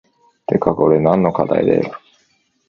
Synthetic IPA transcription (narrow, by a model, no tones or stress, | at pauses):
t̪ekakoɾenãnːo̞kad̪a̰id̪ḛ